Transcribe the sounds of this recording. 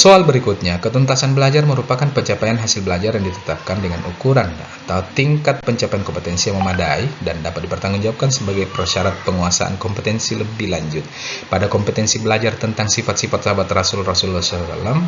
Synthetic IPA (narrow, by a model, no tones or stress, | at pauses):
soalbəɾikut̪̚ɲakət̪ɔnt̪asanbəlad͡ʒarməɾupakanpəɲt͡ʃapajanɦasɪlbəlad͡ʒarjaŋdit̪ə̥t̪ap̚kandəŋanukuɾan | at̪aut̪iŋkat̪̚pəɲt͡ʃapajankɔmpət̪ɛnsijaŋməmadaidandapat̪̚dipərt̪aŋɡuŋd͡ʒabap̚kansəbaɡajpərʃaɾat̪̚pəŋuasa̰ʔa̰nkɔmpət̪ɛnsiləbɪhlaɲd͡ʒʊt̪̚padakɔmpət̪ɛnsibəlad͡ʒart̪ənt̪aŋsifat̪sifat̪̚sabat̪rasʊlrasʊlːɔsasa̰lam